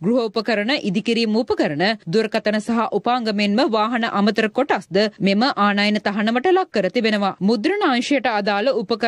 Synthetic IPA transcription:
ɡɾuɦɐupəkəɾənəʔid̪ikiɾiːmupəkəɾənəd̪uɾkɐt̪ɐnəsɐɦaʔupaːŋɡɐmenməʋaːɦɐnɐʔamət̪əɾəkoʈasd̪əmeməʔaːnaːjnət̪ɐɦɐnɐʋɐʈəlakːəɾət̪ibenəʋamud̪ɾɐnəãŋʃɐjəʈəad̪aːləupəkə

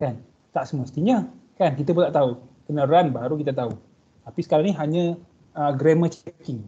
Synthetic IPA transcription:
kan | t̪aʔsəməst̪iɲəkankit̪əp̬unt̪aʔt̪aukənəɾanbaɾuk̬it̪̬ət̪au | t̪apisə̥kaɾaniɦaɲə̃ | əɡɾemə̃t͡ʃkɪŋ

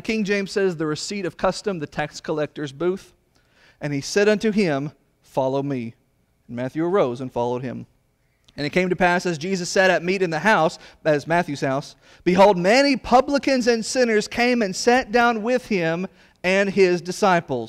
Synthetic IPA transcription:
kʰɪ̃ŋd͡ʒẽɪ̃mz̥sɛzðɨɹɨsiɾʌv̥kʰʌstɨ̃mðɨtʰɛkskʰəlɛk̚tə˞zbuθ | ɨ̃nisɛɾʌ̃ntʉɪ̃m | fɑlˠoʊmĩ | n̩mæθjʉə˞oʊzə̃nfɑlˠoʊd̚ɪ̰̃m | ɨ̃nɨt̚kʰẽɪ̃mtʰɨpæsɨzd͡ʒizɨsɛɾɨt̚miɾɨ̃nðɨɦaʊsɨzmæθjʉz̥haʊs | b̥ɨɦoʊlˠd̚mɛnipʰʌbləkɨ̃nzɨ̃nsɪ̃nə˞z̥kʰẽɪ̃mɨ̃nsæt̚d̥ãʊ̃nwɪð̥ɪ̃m | ɨ̃nɪzdɨsaɪpl̩ˠz

